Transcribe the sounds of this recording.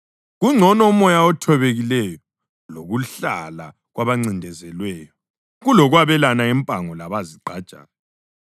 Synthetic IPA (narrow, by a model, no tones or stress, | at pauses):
ɣuŋ͡ǀʱɔnɔumɔjaɔtʰɔβeɣilɛjɔ | loɣuɬa̰la̰ | ɣwʔaβaŋ͡ǀindʱɛzɛlwɛːjɔ | ɣulɔɣwaβɛlanaɛmpʼaŋɔlaβaziǃʱad̥t͡ʃʼa̰ːna